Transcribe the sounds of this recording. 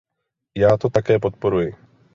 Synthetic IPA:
jaːt̪o̞t̪akɛːp̬o̞t̪̚po̞ɾujɪ

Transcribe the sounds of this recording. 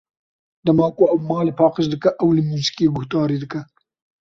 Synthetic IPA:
d̪ɐmɑːkoɐwmɑːlepʰɑːqəʃd̪ɨkɐʔɐwlɪmuːzi̥keːɡʊht̪ɑːɾiːd̪ɨkɐ

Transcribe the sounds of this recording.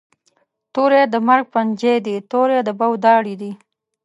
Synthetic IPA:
t̪oɾed̪əmaɾɡ̚pand͡ʒed̪it̪oɾed̪əbawd̪ɑɽid̪i

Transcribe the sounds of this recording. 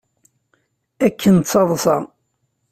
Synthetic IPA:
ækʰːənt̪t͡sːɑðˤsɑ̰

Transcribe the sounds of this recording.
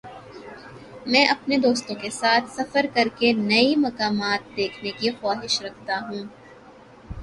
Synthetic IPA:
mɛ̃ːʔɐpned̪oːst̪õkesaːt̪ʰsɐfəɾkɐɾkenɐimɐkaːmaːt̪̚d̪eːkʰnekixwaːɦɪʃɾɐk̚ʰt̪aɦũː

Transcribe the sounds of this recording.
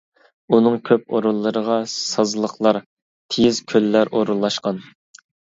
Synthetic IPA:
unɨŋkʲʰøp̚oɾulˠːəɾəʁɑsɑzlˠəχlˠɑɾ | t̪ʰejizkʲʰølːæɾʔoɾulˠːɑʃqɑn

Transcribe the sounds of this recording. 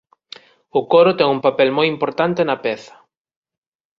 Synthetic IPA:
ʊkoɾʊt̪ɛŋuŋpapɛlmojimpoɾt̪ant̪enɐpɛθɐ̥

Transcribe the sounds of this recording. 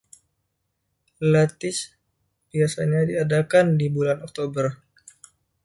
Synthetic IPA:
lat̪ɪs | b̥iasaɲadiadakandibulanɔk̚t̪obər

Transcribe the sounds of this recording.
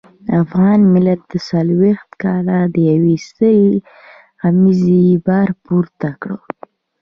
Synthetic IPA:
afɣɑnmɪlat̪̚d̪̥əsalwext̪kɑlad̪əjawist̪əj | ɣamizibɑɾpuɾt̪akɽə

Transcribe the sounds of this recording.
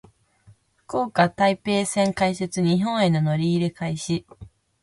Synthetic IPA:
ko̞ːkat̪aipe̞ːsẽ̞ŋkaiset͡sɨɲ̟iɦõ̞ɰ̃e̞no̞no̞ɾʲiːɾekaiɕi

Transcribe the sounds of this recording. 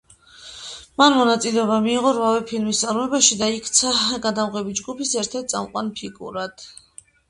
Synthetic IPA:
manmɔnat̪sʼilɛɔbamiːʁɔɾvavɛpʰilmist̪ʼaɾmɔɛbaʃid̪aikʰt̪sʰaɡad̪amʁɛbid͡ʒɡupʰisɛɾt̪ʰɛɾt̪̚sʼa̰mqʼwa̰npʰiɡṵɾad̪̥

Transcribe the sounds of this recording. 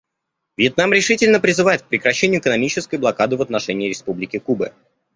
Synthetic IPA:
vʲjət̪̚namɾʲɪʂɨtʲɪlʲnəpɾʲɪzɨvajɪt̪̚k̚pɾʲɪkɾɐɕːenʲɪjʊɪkənɐmʲit͡ɕɪskəjblˠɐkad̪ɨvət̪nɐʂɛnʲɪːɾʲɪspublʲɪkʲɪkubə

